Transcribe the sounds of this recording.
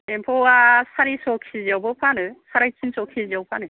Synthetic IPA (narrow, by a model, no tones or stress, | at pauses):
empʰɔasaɾisɔkʰiziabɔpʰanɯsaɾajtʰinsɔkʰiziawpʰanɯ